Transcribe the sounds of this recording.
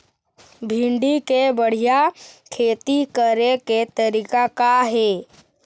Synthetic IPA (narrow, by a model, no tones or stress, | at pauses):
bʱĩɳɖikebəɽ̤ijakʰeːt̪ikəɾeket̪əɾikakaɦeː